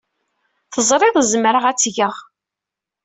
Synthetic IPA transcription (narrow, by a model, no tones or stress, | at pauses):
θəzˤɾˤeðˤzmɾəʁæt͡sːʝəʁ